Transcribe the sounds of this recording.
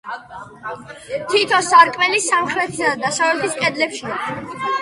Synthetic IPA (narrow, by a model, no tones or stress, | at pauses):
t̪ʰit̪ʰɔsaɾkʼmɛlisamχɾɛt̪ʰi̥sad̪d̪asavɛt̪ʰiskʼɛd̪lɛpʃia